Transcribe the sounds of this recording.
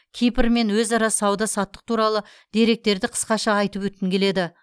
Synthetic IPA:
kʲʰijpɪɾme̞nwɵzɑɾɑsɑwd̪ɑsɑt̪ːə̥q̚t̪ʰuɾɑlˠə | d̪̥e̞ɾe̞k̚t̪e̞ɾd̪ɪqʰə̥sqɑʃɑɑjt̪əpwɵt̪̚kʲːɪŋkʰʲe̞le̞d̪ɪ

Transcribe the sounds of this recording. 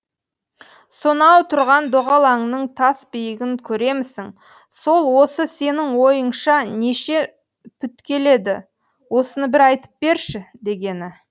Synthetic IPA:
sonɑwt̪ʰʊɾʁɑnd̪oʁɑlˠɑɴnəɴt̪ʰɑsbɪjɪɡʲɪŋkʲʰɵɾe̞mɪsɪŋ | so̞lˠwo̞səse̞nɪŋwo̞jəɴʃɑne̞ʃe | pʰʏt̪kʲe̞le̞d̪ɪ | wo̞sənəbɪɾɑjt̪ə̥p̚be̞ɾʃɪd̪e̞ɡʲe̞nɪ

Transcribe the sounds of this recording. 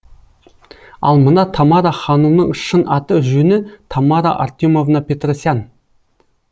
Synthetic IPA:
ɑ̰lˠmənɑt̪ʰɑmɑɾɑχɑnumnəɴəʃːənʔɑt̪əʒɵnɪt̪ʰɑmɑɾa̰ʔa̰rt̪ʲumo̞vnɑpʲe̞t̪rosjan

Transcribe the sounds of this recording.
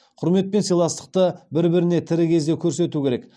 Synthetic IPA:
qʰʊɾme̞t̪̚pensijlˠɑst̪ə̥q̚t̪əbɪɾbɪɾɪne̞t̪ʰɪɾɪkʲʰe̞zd̪e̞kʲʰɵɾse̞t̪ukʲʰe̞ɾe̞k

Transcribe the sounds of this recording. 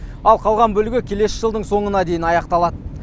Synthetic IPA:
ɑlˠqʰɑlˠʁɑnbɵlɪɡʲɪkʲʰe̞le̞sɪ̥ʒəlˠd̪əɴso̞ɴənɑd̪e̞jɪnɑjɑqt̪ɑlˠɑd̪ə

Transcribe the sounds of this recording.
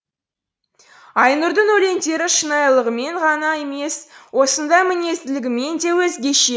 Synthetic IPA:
ɑjnʊɾd̪ənɵle̞nd̪e̞ɾɪʃənɑjlˠəʁəme̞ɴʁɑnɑe̞me̞swo̞sənd̪ɑjmɪne̞st̪ɪlɪɡʲɪme̞nd̪e̞wɵzɡʲe̞ʃe̞

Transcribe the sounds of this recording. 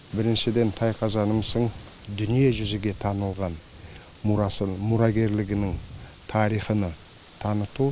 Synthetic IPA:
bɪɾɪnʃɪd̪e̞nt̪ʰɑjqʰɑzɑnəmsəɴ | d̪ʏnijeʒʏzɪɡʲe̞t̪ʰɑnəlˠʁɑn | mʊɾɑɡʲe̞ɾlɪɡʲɪnɪŋ | t̪ʰɑɾijχənə | t̪ʰɑnət̪u

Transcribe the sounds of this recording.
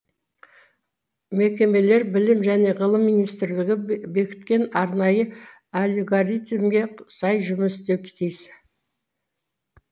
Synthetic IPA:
me̞kʲe̞me̞le̞ɾbɪlɪmʒæne̞ʁəlˠəmːijnijst̪ɪɾlɪɡʲɪbe̞kʲɪ̥t̪kʲe̞nɑɾnɑjə | alʲeɡaɾʲit̪imɡʲe̞sɑjʒʏmɪst̪e̞wkʲʰt̪ʰejsɪ

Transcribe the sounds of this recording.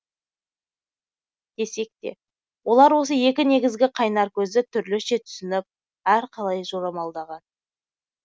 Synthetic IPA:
d̪̥e̞se̞k̚t̪e̞̰ | wʔo̞lˠɑɾwo̞səje̞kʲɪne̞ɡʲɪzɡʲɪqʰɑjnɑɾkʲʰɵzɪt̪ʰʏɾlɪʃe̞t̪ʰʏ̥sɪnɪp̚ | æɾqʰɑlˠɑjʒoɾɑmɑlˠd̪ɑʁɑn

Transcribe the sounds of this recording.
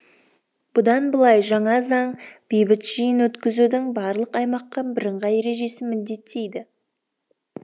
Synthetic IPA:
b̥ʊd̪ɑnbəlˠɑjʒɑɴɑzɑɴb̥ejbɪt̪ʒ̥ijɪnwɵt̪kʲɪzud̪ɪŋbɑɾlˠəqɑjmɑqːɑbɪɾəɴʁɑje̞ɾe̞ʒe̞sɪmɪd̪d̪e̞t̪ʰːe̞jd̪ɪ

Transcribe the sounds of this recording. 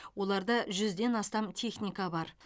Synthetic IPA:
wo̞lˠɑɾd̪ɑʒʏzd̪e̞nɑst̪ɑmt̪ʲʰe̞χnʲijkɑbɑɾ

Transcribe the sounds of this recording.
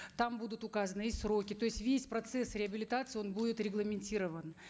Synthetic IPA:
t̪ambud̪ʊt̪ʊkazənɨɪsɾo̞kʲɪt̪o̞ɪsʲtʲvʲesʲpɾɐt̪sɛsɾʲɪɐbʲɪlʲɪt̪at̪sɨo̞nbudʲɪt̪ɾʲɪɡlˠəmʲɪnʲtʲiɾəvən

